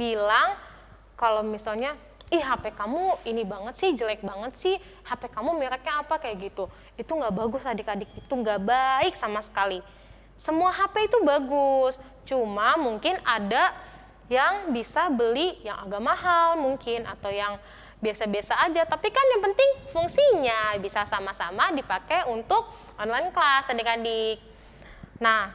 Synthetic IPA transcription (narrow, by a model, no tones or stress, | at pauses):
bilaŋ | kalowmisalɲa | ɪhɦapɛkamuinibaŋət̪sɪhd͡ʒəlɛk̚baŋət̪̚sɪh | hapɛkamumiɾak̚ɲaːpakajaɡit̪u | it̪uŋɡaʔbaɡʊsadikadɪk̚it̪uŋɡabaɪksamasə̥kali | səmuaɦapɛit̪ubaɡʊs | t͡ʃumamuŋkɪnada | jaŋbisabəlijaŋa̰ɡaʔmaɦalmuŋkɪna̰t̪awjaŋ | biasabiasaːd͡ʒat̪apikanjaŋpənt̪ɪŋfuŋsiɲabisasamasamadipakeunt̪ʊk̚ | ʔɔnlaɪnklasadikadɪk̚ | nah